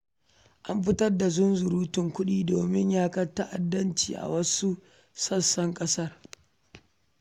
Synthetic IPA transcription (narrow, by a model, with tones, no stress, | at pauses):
ʔa˦mɸɪ˦tɐ˦rda˨zʊ˦nzʊ˨ɾuː˦tɪ˨ŋkʷʊ˦ɗiː˦doː˨mɪ˦ɲjaː˦kɐ˦rtɐ˦ʔa˨dːɐ˦nt͡ʃḭː˨ʔa̰˨wɐ˦su˦ | sɐ˦sːɐ˦ŋkʼɐ˦sɐ˦r